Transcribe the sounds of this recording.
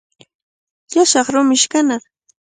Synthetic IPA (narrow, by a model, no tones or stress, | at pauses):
jaʃɑχɾʊmɪʃkanaɾ